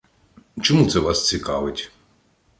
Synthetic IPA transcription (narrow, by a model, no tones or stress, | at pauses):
t͡ʃɔmut̪sɛʋɑst͡sʲikɑ̰ʋɪtʲ